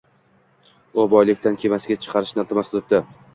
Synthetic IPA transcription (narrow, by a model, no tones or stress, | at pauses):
ʊbɒjlɪkʲt̪ankʲʰe̞masɪɡʲat͡ʃʰɨ̥qʰɑɾɪʃnɪalˠt̪ʰɪmasʊlɪp̚d̪ɪ